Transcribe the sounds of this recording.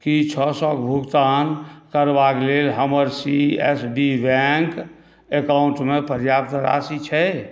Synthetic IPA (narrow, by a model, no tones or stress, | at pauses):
kit͡ʃʰɔsɔ̃kbʱuɡt̪ankəɾbakelelɦəməɾsiesɖibɛŋk | ekauɳʈmepəɾjap̚t̪əɾa̰sit͡ʃʰɛ